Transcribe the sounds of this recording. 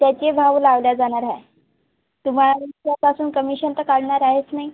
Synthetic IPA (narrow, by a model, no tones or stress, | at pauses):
t̪jat͡ɕebʱaʋlaʋljad͡zaɽ̃aɾae | t̪um̤aɭaentjapasuːnkəmiɕənt̪əkaɽɳaɾaɦet͡snaɦi